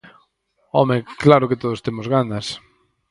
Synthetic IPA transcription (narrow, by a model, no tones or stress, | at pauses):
ɔmeklaɾʊket̪oð̞ost̪emozɣanɐs